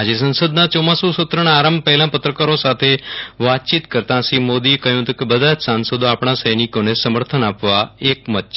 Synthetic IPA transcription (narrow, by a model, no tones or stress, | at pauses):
ad͡ʒesə̃nsəd̪nat͡ʃomasusʊt̪ɾəñaaɾəmbpəɦlãpət̪ɾəkaɾosat̪ʰeʋat̪̚t͡ʃit̪kəɾt̪ãsimod̪iekəɦjũɦət̪ũkebəd̪ʱat͡ʃsansəd̪oapɳ̃asəjnikonesəməɾt̪ʰənapʋaekmət̪t͡ʃ